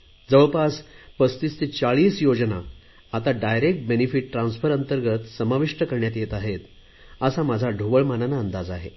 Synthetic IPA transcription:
d͡zəɭpaspəst̪ist̪it͡ɕaɭiːsjod͡zna | at̪aɖajɾek̚ʈ̚benifiʈ̚ʈːɾãnsfəɾənt̪əɾɡət̪səmaʋiʂʈəkəɾɳjat̪̬jet̪aɦet̪ | əsamad͡zʱaɖʱuʋəɭmananaənd̪ad͡zaɦḛ

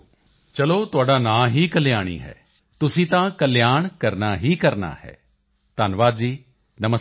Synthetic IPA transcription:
t͡ʃɐloːt̪ʊaːɖaːnãːɦiːkəlɪjaːɽ̃ḭːɦɛ̰ː | t̪ʊsĩːt̪ãːkəlɪjaːɳ̃kəɾnaːɦiːkəɾna̰ːhɛ̰ː | t̪aːnʋaːd̪d͡ʒiː | nɐmə

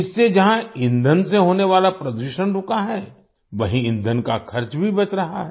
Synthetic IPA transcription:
ɪsːed͡ʒɐɦãɪ̃nd̪ʱənseɦoːneʋaːlapɾɐd̪wɪʃənɾʊkaɦɛː | ʋɐɦĩɪ̃nd̪ʱənkakʰɐɾt͡ʃbʱibɐt͡ʃɾɐɦa̰ɦɛ

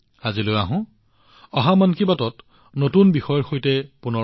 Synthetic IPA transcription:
azilojaɦʊ̃ | ɔɦamankibatɔt | notunbixɔjɔɹxojtɛpunɔ

